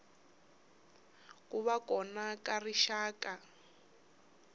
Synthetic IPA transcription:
kʼuβakɔnakariʃaːka

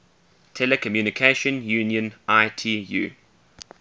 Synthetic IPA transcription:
tʰɛlɛkʰəmjuːnɪkʰeʃə̃njuːnjə̃nʔaɪtʰiːjṵː

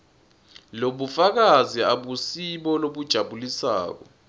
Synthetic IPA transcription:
loɓufak̬aziaɓusiɓɔloɓud̥ʒ̥ʱaɓulisa̰ːk̬ɔ̰

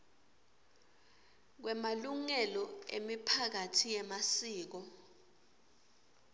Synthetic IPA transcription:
k̬wɛmaluŋɛlɔḛmipʰak̬atʰijɛmasiːk̬ɔ

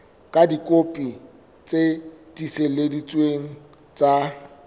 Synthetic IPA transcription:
kʼadikʼopʼi | t͡sʼetʼiseledit͡sʼweŋ̩ | t͡sʼa

